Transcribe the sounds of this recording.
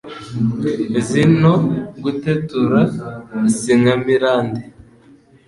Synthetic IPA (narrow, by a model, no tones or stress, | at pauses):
zinoɡutetuɾasiŋamiɾaːnde